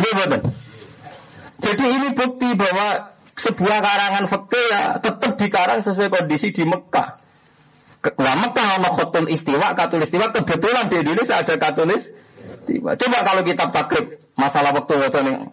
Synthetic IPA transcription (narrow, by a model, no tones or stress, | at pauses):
jabət̪ən | d͡ʒ̥adiːnibuk̚t̪iba̤wa | səb̥uahkaɾaŋanfəkɪja̰t̪ət̪əp̚d̥i̤kaɾaŋsəsuakɔndisid̪̥i̤məka̰ | laməkːaɦɔnɔhɔt̪ʊnʔist̪iwaʔkat̪ulɪst̪iwaʔkəb̥ət̪uland̪eʔdilɪsəad̥a̤kat̪ulɪst̪ḭba̰t͡ʃobakalokit̪ap̚t̪aɡ̥ɾɪp̚ | masalahwak̚t̪uwɔt̪unɪ